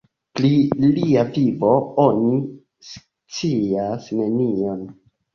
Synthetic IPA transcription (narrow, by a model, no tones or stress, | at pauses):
pliliavibo̞oni | s | t͡siasne̞nio̞n